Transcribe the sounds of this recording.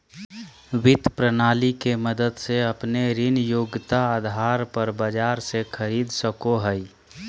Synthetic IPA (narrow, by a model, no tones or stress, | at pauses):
wɪt̪pɾənaːlikeməd̪əd̪seəpneɾɪnjoːɡt̪aad̪ʱaɾpəɾbəd͡ʒaːɾsekʰəɾiːd̪səkoɦəj